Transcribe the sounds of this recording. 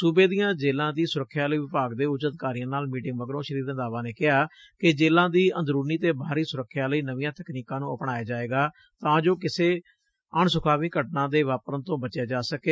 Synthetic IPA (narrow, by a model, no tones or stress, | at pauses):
subeːd̪ijãːd͡ʒeːlãːd̪iːsʊɾəkʰːjaːləiːʋɪpaːɡd̪eːʊd͡ʒəd̪ɪkaːɾijãːnaːlmiːʈɪ̃ŋɡbəɡɾõːʃəɾiːɾnd̪aːʋaːneːkɪɦaː | kɪd͡ʒeːlãːd̪iːə̃nd̪ɾuːniːt̪eːbʱaːɾiːsʊɾəkʰːjaːləiːnəʋijãːt̪əkniːkãːnũːəpɽaːjaːd͡ʒaːeːɡaː | t̪ãːd͡ʒoːkɪseː | əɳsʊkʰaːʋĩːkəʈnãːd̪eːʋaːpɾənt̪õːbət͡ʃjaːd͡ʒaːsəkeː